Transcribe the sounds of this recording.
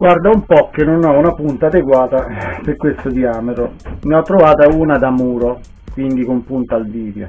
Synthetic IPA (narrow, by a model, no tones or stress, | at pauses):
ɡ̥ward̪aumpɔkːenːonɔunapunt̪aːd̪eɡwaːt̪aperkwest̪od̪iaːmet̪ɾomiɔt̪ːɾovaːt̪auːnad̪amuːɾo | kwind̪ikompunt̪alviːd̪jo